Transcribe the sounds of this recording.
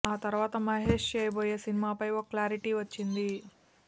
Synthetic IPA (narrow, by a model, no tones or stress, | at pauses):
aːt̪ɐɾuʋaːt̪ɐmɐɦe̞ːʂt͡ʃeːjɐboːjeːsinimaːpɐjokɐklaːɾiʈiʋɐt͡ʃːind̪i